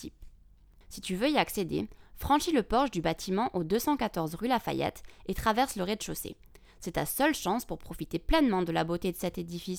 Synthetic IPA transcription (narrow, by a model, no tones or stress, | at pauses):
t̪ip | sit̪yvøiaksed̪ḛfχɑ̃ʃiləpɔʁʒd̪ybat̪ʰimɑ̃ʔod̪øsɑ̃kat̪ɔʁzʁylafa̰jɛ̰t̪et̪χavɛʁsləʁed̪əʃosḛ | sɛt̪asœlʃɑ̃spuʁpχɔfit̪eplɛnmɑ̃d̪əlabot̪ed̪əsɛt̪ed̪ifis